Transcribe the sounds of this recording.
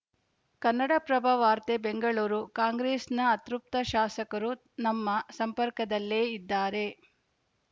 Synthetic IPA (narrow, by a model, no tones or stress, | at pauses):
kɐnːɐɽɐpɾɐbʱɐʋaːɾt̪ebeŋɡɐɭuːɾukaːŋɡɾeːsnɐːt̪ɾup̚t̪ɐʃaːsɐkɐɾu | nɐmːɐsɐmpɐɾkɐd̪ɐlːeːid̪ːaːɾe̞